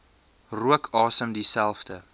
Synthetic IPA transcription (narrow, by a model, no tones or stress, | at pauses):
ruəkʰɑːsəmdisælˠfdə